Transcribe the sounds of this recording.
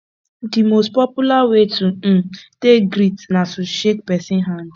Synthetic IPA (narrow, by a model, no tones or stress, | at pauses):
dimost̚pɔpjulawetuteɡɾitnasuʃek̚pɛsɪ̃nɦand